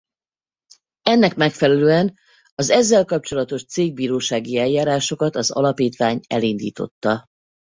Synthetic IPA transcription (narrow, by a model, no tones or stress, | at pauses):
ɛnːɛkmɛkfɛlɛløːɛn | ɒzɛzːɛlkɒp̚t͡ʃo̞lɒt̪o̞ʃt̪seːɡ̚biːɾoːʃaːɡiɛlːaːɾaːʃo̞kɒt̪ɒzɒ̰lɒpiːt̪ʋaːɲɛ̰lind̪ḭːt̪o̞̰t̪ːɒ